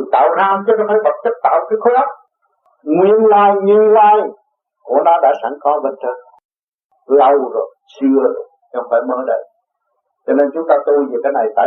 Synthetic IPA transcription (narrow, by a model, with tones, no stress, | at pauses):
t̪a̰ː˧˨wnaː˧mt͡ɕnː˧˨˦faː˧˩˦jvə˨˩t̚t͡ɕ̪ə˦˥k̚t̪a̰ː˧˨wkaː˨˦jxa˦˥t̚ | ŋwi˧˨ənlaː˧jɲɨ˧nlaː˧j | ku˧˩ənaː˧ɗa̰ː˧˥sa˧˩ŋxɔ˨˦ɓə˨˩nt͡ɕʰə˧n | lə˧wzo˨˩jsɨ˧əzo˨˩jt͡ɕɔ˧ŋfaː˧˩jməː˧ɗə̰˧˨j | t͡ɕɔ˧ne˧nt͡ɕʊ˨˦ŋ͡mt̪aː˧t̪o˧jvi˨˩kaː˨˦na˨˩jt̪a̰ː˧˨